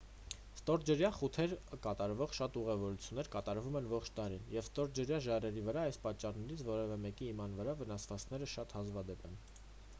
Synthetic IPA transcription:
st̪ɔɾd͡ʒəɾjɑχut̪ʰɛɾkɑt̪ɑɾvɔʁʃɑt̪uʁɛvɔɾut͡sʰjunːɛɾkɑt̪ɑɾvumɛnvɔχt͡ʃʰd̪ɑɾinjɛvst̪ɔɾ̚d͡ʒəɾjɑʒɑrɛɾivəɾɑɑjspɑt͡ʃːɑrnɛɾit͡sʰvɔɾɛvɛmɛkiːmɑn̪vəɾɑvənɑsvɑt͡skʰnɛɾəʃɑt̪hɑzvɑd̪ɛpɛn

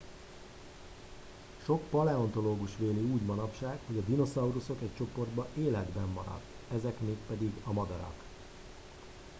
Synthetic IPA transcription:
ʃo̞kpɒlɛo̞nt̪o̞loːɡuʃʋeːliuːɟmɒnɒpʃaːkho̞ɟɒd̪ino̞sɒuɾuso̞kɛc̚t͡ʃo̞po̞rd̪bɒʔeːlɛd̪bɛmːɒɾɒ̰t̪ː | ɛzɛkmeːkpɛd̪iɡɒmɒd̪ɒɾɒ̰k

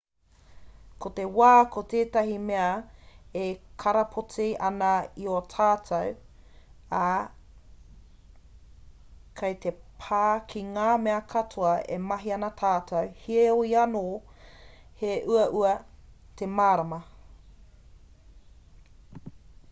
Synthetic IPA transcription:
kot̪ewaːkʰot̪eːtɐɦimeɐekʰɐɾɐpʰot͡siʔɐnɐiotʰaːtʰɐw | a | kʰɐjt̪epʰaːkʰiŋaːmeɐkʰɐtʰoɐḛmɐɦiɐnɐtʰaːtʰɐwhieoiɐnoː | heʔuɐʔuɐ | temaːɾɐmɐ

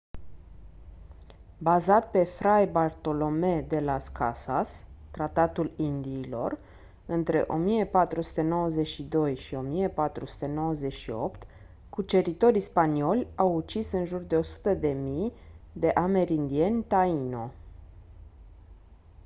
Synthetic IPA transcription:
bazat̪̚pe̞fɾajbart̪o̞lo̞me̞d̪e̞laska̰sast̪ɾat̪at̪ulind̪iːlo̞̰r | ɨnt̪ɾe̞̰ʔo̞mijepat̪ɾusu̥t̪e̞no̞wəze̞t͡ʃʃid̪o̞jʃio̞mijepat̪ɾusu̥t̪e̞no̞wəze̞t͡ʃʃio̞̰pt̪ | kut͡ʃe̞ɾit̪o̞ɾispanio̞lʲawut͡ʃisɨnʒurd̪e̞o̞su̥t̪əd̪e̞mij | d̪e̞ʔame̞ɾʲind̪ie̞nʲt̪aino̞

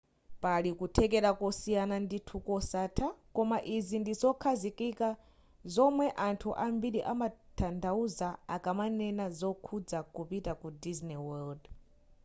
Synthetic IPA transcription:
palikutʰɛkɛɾakɔsijananditʰukɔsatʰakɔmaʔizindizɔkʰazikʼika | zɔmwɛʔantʰuʔambiɾiʔamatʰandauzaa̰kamanɛnazɔkʰud͡zakupitakudiznɛwɛld

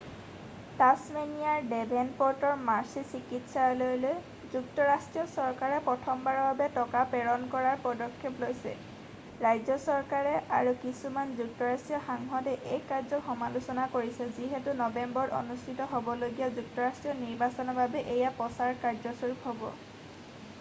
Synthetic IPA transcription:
tasmenijaɹdɛbʱɛnpɔɹtɔɹmaɹsisikitsalojloj | zuktɔɹastɹijɔsɔɹkaɹɛpɹɔtʰɔmbaɹɔbabɛtɔkapɛɹɔnkɔɹaɹpɔdɔkʰːeplojsɛ̰ | ɹajzɔsɔɹkaɹɛa̰ɹukisumanzuk̚tɔɹastɹijɔxaŋɦɔtɛʔejkːaɹzɔkxɔmalusɔnakoɹisɛziɦɛtunɔbɛmbɔɹo̰nustʰitɔɦobɔloɡijazuk̚tɔɹastɹijɔniɹbasɔnɔbʱabɛʔejapɔsaɹkaɹzɔsuɹupɦɔbɔ̰

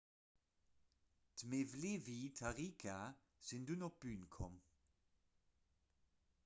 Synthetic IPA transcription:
d̪̥mevlɪviːt̪ʰaʁikʰa | sɪnd̪ʉnɔb̥yːnkʰɔm

